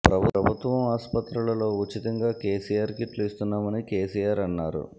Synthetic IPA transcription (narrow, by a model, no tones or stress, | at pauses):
pɾɐbʱuɾɐbʱut̪ʋɐmaːspɐt̪ɾulɐlo̞ːut͡ʃit̪ɐŋɡaːke̞ːsijaːɾkiʈlist̪unːaːmɐnike̞ːsijaːɾɐnːaːɾṵ